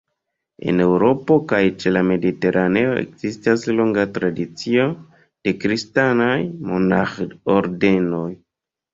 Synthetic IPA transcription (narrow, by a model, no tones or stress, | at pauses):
e̞̰ne̞wɾo̞po̞kajt͡ʃe̞lame̞dite̞ɾʔane̞o̞ʔe̞̰kz̥istaslo̞ŋɡatɾadit͡sio̞ | d̥e̞kɾistanajmo̞naxoɾde̞no̞j